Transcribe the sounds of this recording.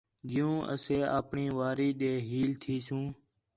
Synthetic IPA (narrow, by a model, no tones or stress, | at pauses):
d͡ʒɪjũːʔə̰seːa̰ːpɳĩːʋaːɾiːɗeːɦiːlt̪ʰiːsũː